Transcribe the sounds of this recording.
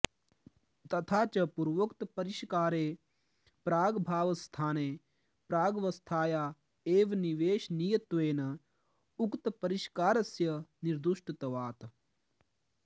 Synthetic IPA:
t̪ɐt̪ʰaːt͡ʃɐpuɾʋɐkt̪pɐɾiʃkaːɾeː | pɾaːɡbʱaːʋɐst̪ʰaːne | pɾaːɡʋɐst̪ʰaːjaː | eːʋniʋeːʃnijɐt̪ʋeːnɐ | ukt̪pɐɾiʃkaːɾɐsjɐniɾd̪uʃʈt̪ɐʋaːt̪

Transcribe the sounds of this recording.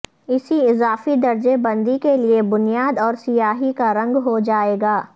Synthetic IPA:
ɪsiɪzaːfid̪ɐɾd͡ʒebɐ̃nd̪ikeliebʊnijaːd̪ɔːɾsɪjaːɦikaɾɐ̃ŋɡɦod͡ʒaːeːɡaː

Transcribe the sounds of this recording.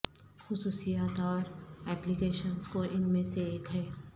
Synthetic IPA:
xʊsuːsijaːt̪ɔːɾɛːplikeːʃənzkoʔɪnmẽseeːkɦɛː

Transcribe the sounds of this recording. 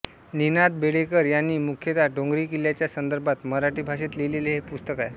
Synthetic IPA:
ninad̪beɽekəɾjanːiːmukʰjət̪aɖoŋɡɾiːkiljat͡ɕjasənd̪əɾbat̪məɾaʈiːbʱaɕet̪leleleɦepust̪əkae

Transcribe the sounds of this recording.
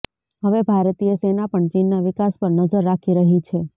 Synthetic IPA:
ɦəʋebʱaɾt̪ijəsenapəɳt͡ʃinːaʋɪkaspəɾnəd͡ʒəɾːakʰiɾəɦit͡ʃʰe

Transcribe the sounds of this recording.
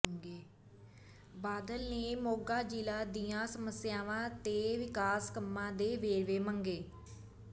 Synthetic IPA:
ŋɡeː | baːd̪əlneːmoːɡaːd͡ʒiːlaːd̪ijãːsəməsɪjaːʋãːt̪eːʋɪkaːskəmːãːd̪eːʋeːɾʋeːmə̃ŋɡeː

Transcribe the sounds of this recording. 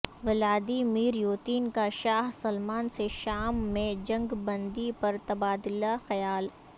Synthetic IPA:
ʋɪlaːd̪imiːɾjoːt̪iːnkaʃaːɦsɐlmaːnseʃaːmːẽd͡ʒɐ̃ŋɡbɐ̃nd̪ipɐɾt̪ɐbaːd̪ɪlaxɐjaːl

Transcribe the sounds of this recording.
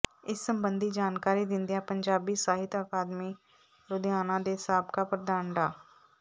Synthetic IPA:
ɪsːəmbənd̪iːd͡ʒaːnkaːɾiːd̪ɪ̃nd̪ijãːpəɲd͡ʒaːbiːsaːɦɪt̪əkaːd̪miː | ɾʊd̪aːnãːd̪eːsaːbkaːpɾəd̪aːnɖaː

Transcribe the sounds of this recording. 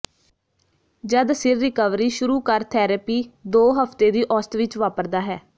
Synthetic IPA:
d͡ʒəd̪sɪɾːɪkəʋɾiːʃʊɾuːkəɾt̪ʰɛːɾəpiːd̪oːɦəpt̪eːd̪iːʔɔːst̪ʋɪt͡ʃʋaːpəɾd̪aːɦɛː

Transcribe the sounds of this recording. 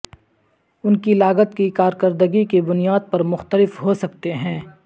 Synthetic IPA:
ʊnkilaːɡət̪̚kikaːɾkəɾd̪əɡikebʊnijaːd̪̚pɐɾmʊxt̪əlɪfɦosɐkt̪eɦɛ̃ː

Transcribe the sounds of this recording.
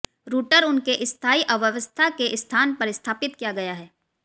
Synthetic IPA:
ɾuːʈəɾʊnkeʔɪst̪ʰaːiʔɐʋəʋəst̪ʰakeʔɪst̪ʰaːnpɐɾɪst̪ʰaːpɪt̪kijaɡɐjaɦɛː

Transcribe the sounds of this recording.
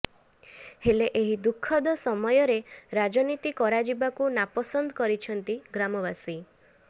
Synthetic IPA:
heleʔeɦid̪ukʰːɔd̪ɔsɔmɔjɔɾeɾad͡ʒɔnit̪ikɔɾad͡ʒibakunapɔsɔnd̪ʱɔkɔɾit͡ʃʰɔnt̪iɡɾamɔβasi

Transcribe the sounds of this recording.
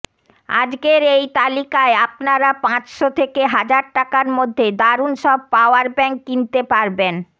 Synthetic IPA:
a̰d͡ʑɡeɾejt̪alikaeapnaɾapãt͡ɕʃot̪ʰekeɦad͡ʑaɾʈakaɾmod̪ʱːed̪aɾunʃɔb̚paoaɾbɛŋkːint̪epaɾben

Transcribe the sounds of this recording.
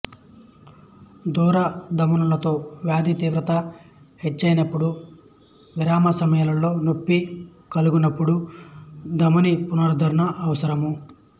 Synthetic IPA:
d̪uːɾɐd̪ɐmunulɐt̪o̞ːʋjaːd̪it̪iːʋɾɐt̪ɐ | het͡ʃːɐjnɐpːuɽu | ʋiɾaːmɐsɐmɐjɐlɐlo̞ːnopːi | kɐluɡunɐpːuɽu | d̪ɐmunipunɐɾud̪ʱɐɾunɐʔːʋɐsɐɾɐmu

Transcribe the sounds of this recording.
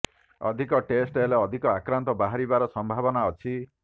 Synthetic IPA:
ɔ̰d̪ʱikɔʈesʈɦeleɔd̪ʱikɔakɾant̪ɔbaɦaɾibaɾɔsɔmbʱabɔnaɔt͡ʃʰi

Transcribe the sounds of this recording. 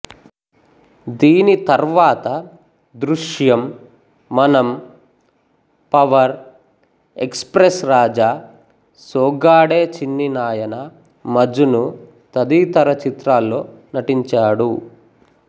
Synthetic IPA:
d̪iːnit̪ɐɾʋaːt̪ɐ | d̪ɾuʂjɐmː | ɐnɐm | pɐʋɐɾ | ekspɾesɾaːd͡ʒaː | soːɡaːɽeːt͡ʃinːinaːjɐnɐ | mɐd͡ʒunu | t̪ɐd̪it̪ɐɾɐt͡ʃit̪ɾaːlːo̞ː | nɐʈiɲt͡ʃaːɽu

